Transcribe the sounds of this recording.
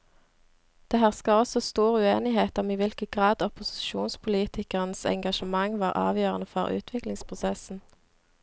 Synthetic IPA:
d̪̥eːhæːʁskɑɔsɔst̪uːʁəʉːeːnɪheːt̪ɔmiːʋɪlkəɡ̥ʁɑːd̪ɔpʊsɪ̥ʃuːnspʰʊliːt̪ʰɪkəʁənsɛ̰ŋɡɑʃəmɑŋʋɑːʁʔɑ̰ːʋjøːʁənəfɔʁʉ̰ːt̪ʰʋɪklɪŋspʰʁʊsɛsn̩

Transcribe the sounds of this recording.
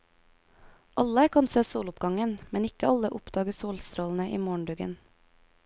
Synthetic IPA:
ʔɑləkʰɑnseːsoːlʊpɡɑŋənmɛnɪkəɑləʔʊpd̪ɑːɡəsoːlst̪ɾoːln̩əʔiːmoːɳ̩ɖʉːɡə̰n

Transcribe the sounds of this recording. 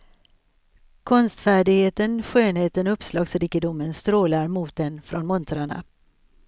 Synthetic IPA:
kʰɔnst̪fæːɖɪɡheːt̪ənɧøːnheːt̪ənɔɵpslɑːɡsɾiːkɪd̪ʊmːənst̪ɾoːlaɾmuːt̪̚d̪ɛnfɾɔnmɔnt̪ɾaɳa̰

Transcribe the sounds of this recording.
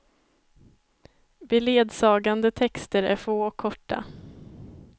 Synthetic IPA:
bɛleːd̪sɑːɡand̪ət̪ʰɛkst̪əɾæ̰ɾfoːɔkʰːɔʈːa̰

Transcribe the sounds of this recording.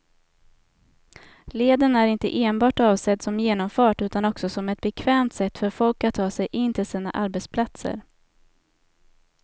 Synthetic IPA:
leːd̪ənæɾɪnt̪ə̰ʔeːnbɑːʈɑːvsɛd̪sɔmjeːnɔmfœːʈʉ̟ːt̪anɔksɔsɔmɛt̪̚bɛkʰvɛːmt̪sɛt̪ːfœɾfɔlkat̪ʰːɑːsɛjʔɪnːt̪ʰɪlsiːna̰ʔaɾbɛt̪spʰlat̪sə̰ɾ

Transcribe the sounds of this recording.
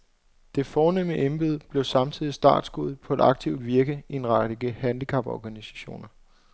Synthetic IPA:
d̥e̝fɒːneməʔenb̥eð̞̰ˠb̥le̝ʊsɑ̈mt͡sʰið̞̰ˠisd̥ɑ̰̈ːd̥sɡ̥uð̰ˠpʰɒ̽e̝d̥ɑ̈ɡ̥̚t͡sʰḭʊd̥ʋiɐɡ̥əienʁad̥əɡ̥əhænd̥ikʰɑ̈b̥ɒ̰ɡ̥ænisæ̥ɕo̝̰ːnɐ

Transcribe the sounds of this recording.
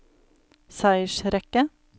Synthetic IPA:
sæɪʃɾɛkə

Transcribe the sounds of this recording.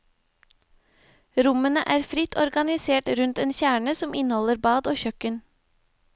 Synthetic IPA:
ɾʊmənə̰ʔæːɾfɾɪt̪ʰɔɾɡɑnɪseːʈɾʉnt̪eːnçæːɳəsɔmʔɪnhɔləɾbɑːd̪oːçœkən

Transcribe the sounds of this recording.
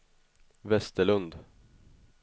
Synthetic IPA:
vɛst̪əɭɵnd̪

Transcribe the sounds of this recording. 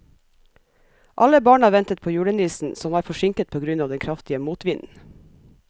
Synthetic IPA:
ʔɑləbɑːɳɑːʋɛnt̪ət̪̚pʰoːjuːɽənʋiːsn̩sɔmʋɑːɾfɔʃɪŋkət̪̚pʰoːɡɾʉnɑːʋd̪ɛnkʰɾɑft̪ɪəmuːt̪ʋɪnn̩

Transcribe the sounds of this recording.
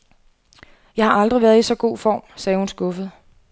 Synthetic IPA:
jɑ̈ɪhɑ̈ʔɑ̈ld̥ʁiʋæːɐðˠisɒ̽ɡ̥o̝̰ːfɒ̰ːmsɛːhunsɡ̥ɔ̽fəð̞̩ˠ

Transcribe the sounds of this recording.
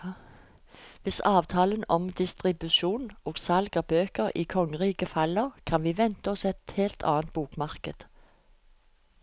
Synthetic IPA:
ʋɪsɑːʋt̪ʰɑːlənɔmd̪ɪst̪ʁɪbʉʃuːnʔoːɡ̥sɑlɡɑbøːkəʁiːkʰɔŋəʁiːkəfɑləʁkʰɑnʋiːʋɛnt̪əɔsɛt̪heːlt̪ʰɑ̰ːnt̪̚b̥uːkmɑʁkəd̪̥

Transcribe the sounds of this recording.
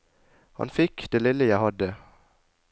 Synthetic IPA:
hɑ̰nfɪkd̪̥eːlɪləjæhɑd̪ə

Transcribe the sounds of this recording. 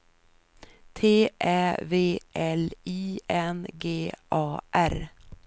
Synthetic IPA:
t̪ʰeːʔæːveːʔɛliːɛnɡeːʔɑːʔæɾ

